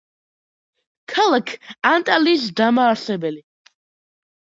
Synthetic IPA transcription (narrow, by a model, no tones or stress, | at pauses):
kʰalˠakʰant̪ʼalisd̪amaːɾsɛbɛli